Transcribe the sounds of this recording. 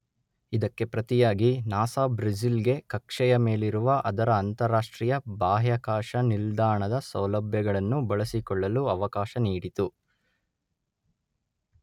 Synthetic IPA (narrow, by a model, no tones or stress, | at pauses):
id̪ɐkːe̞pɾɐt̪ijaːɡinaːsaːbɾɐd͡ʒilɡe̞kɐkʂɛjɐme̞ːliɾuʋɐʔɐd̪ɐɾɐːnt̪ɐɾaːʂʈɾijɐbaːɦjɐkaːʂɐnild̪aːɳɐd̪ɐsɐwlɐbʱjɐɡɐɭɐnːubɐɭɐsikɔɭːɐluɐʋɐkaːʃɐniːɽit̪u